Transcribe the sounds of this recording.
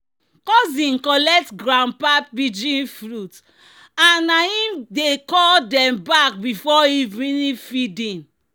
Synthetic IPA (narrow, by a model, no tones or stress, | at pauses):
kɔzĩnkɔlɛk̚tɡɾãmpatbid͡ʒĩnfɾut | anːaĩmdekɔldɛ̃mbak̚bifɔivĩnifidĩn